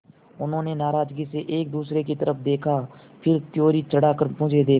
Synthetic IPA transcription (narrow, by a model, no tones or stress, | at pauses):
ʊnɦõːnenaːɾaːd͡ʒɡiseʔeːk̚d̪uːsɾekit̪əɾəpʰd̪eːkʰa | pʰɪɾt̪ɪjoːɾit͡ʃəɽaːkəɾpʊ̃d͡ʒed̪eː